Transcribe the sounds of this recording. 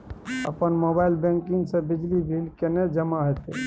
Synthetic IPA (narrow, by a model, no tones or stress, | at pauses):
ə̰pənmobailbẽŋkiŋɡsẽbid͡ʒlibʱilkened͡ʒəmaɦot̪ɛ